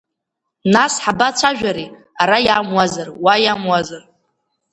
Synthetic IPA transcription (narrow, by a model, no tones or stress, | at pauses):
nasħabat͡ʃʷʰaʒᶣaɾi | aɾajamwazarwajamwazar